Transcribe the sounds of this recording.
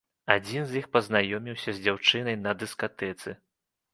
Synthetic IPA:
ad͡zʲinzʲjixpɐznajɔmʲiwsʲɐzʲd͡zʲawt͡ʂɨnɐjnɐd̪ɨskat̪ɛt̪sɨ

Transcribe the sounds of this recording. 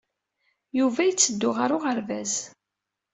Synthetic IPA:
juvæjət͡sːəd̪ːʊʁaɾʊʁəɾvæz

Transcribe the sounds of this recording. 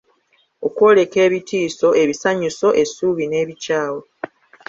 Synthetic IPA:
o̞kwo̞ːle̞ke̞ːβitʰiːso̞ʔe̞βisaɲuso̞ʔe̞suːβine̞ːβicaːwo

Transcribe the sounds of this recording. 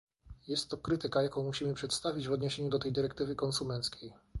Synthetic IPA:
jɛst̪ːɔkɾɘt̪ɘkajakɔ̃w̃muɕimɘpʂɛt̪st̪avʲid͡ʑvɔd̪ɲeɕeɲud̪ɔt̪ɛjd̪ɘɾɛk̚t̪ɘvɘkɔnsumɛnt̪skʲʰej

